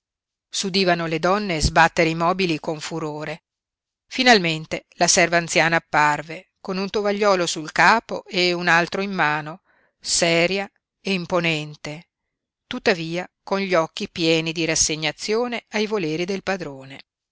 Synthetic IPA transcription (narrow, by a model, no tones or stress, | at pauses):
sud̪iːvanoled̪ɔnːeːzbat̪ːeɾeimɔːbilikoɱfuɾoːɾe | finalment̪elasɛrvaːnt̪sjaːnaːpːarve | konunt̪ovaʎːɔːlosulkaːpoeunalt̪ɾoimːaːno | sɛːɾja | eimponɛnt̪e | t̪ut̪ːaviːakonʎiɔkːipjɛːnid̪iɾasːeɲːat̪sːjoːneajvoleːɾid̪elpad̪ɾoːne